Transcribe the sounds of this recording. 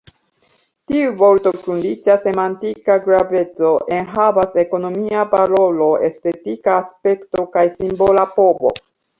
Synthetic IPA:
tiuvo̞ɾto̞kɾunlit͡ʃase̞mantikaɡɾave̞t͡so̞ʔe̞nɦavase̞ko̞no̞miapaɾo̞lo̞ʔe̞ste̞tikaːspe̞kto̞kajsimbo̞lapo̞bo̞̰

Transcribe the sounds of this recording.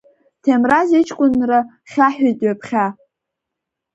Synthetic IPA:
tʰemrazet͡ʃʰkʷʼʊnra | χʲaħatʼɥapʰχʲa

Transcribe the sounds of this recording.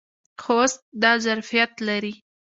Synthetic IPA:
xost̪̚d̪ɑzaɾfijat̪laɾi

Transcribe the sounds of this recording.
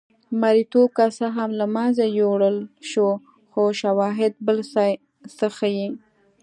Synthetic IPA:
maɾit̪okasaɦamlamɑnzajoɽəlʃo | xoʃawɑɦɪd̪̚bəlsɑj | səxaji

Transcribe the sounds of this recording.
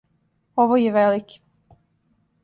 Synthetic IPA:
oʋojeʋeliki̥

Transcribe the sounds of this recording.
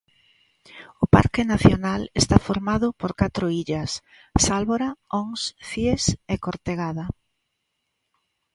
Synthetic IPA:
ʊpa̰ɾkɪnaθjonalest̪afoɾmaðʊpoɾkat̪ɾʊiʎɐsː | alβoɾaoŋsθjesekoɾt̪eɣaðɐ

